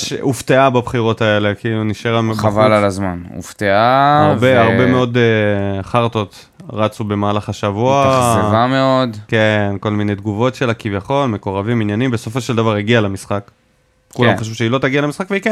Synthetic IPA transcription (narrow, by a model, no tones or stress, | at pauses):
ʃuft̪eababχiʁo̞tae̞le̞kiiluniʃeʁamavalalazmanṵft̪eaaʁbeaʁbe̞meo̞d | χaʁt̪o̞t̪ | ʁat͡sube̞maːlaχaʃavuazevameo̞dkenko̞lmine̞jd̪ɡuvo̞tʃelakivjaχo̞lme̞ko̞ʁaviminjanimbeso̞fo̞ʃeld̪avaʁiɡialamisχak | kːulammχaʃ̬vuʃeilo̞t̪aɡialemisχakveike